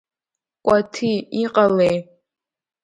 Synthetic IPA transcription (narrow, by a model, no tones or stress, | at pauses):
kʷʼatʰiiqʼalej